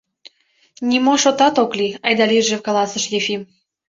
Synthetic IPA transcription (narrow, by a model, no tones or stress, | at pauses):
nʲimoʃot̪ɑt̪okliɑjd̪ɑliʒekɑlɑsə̆ʃjefim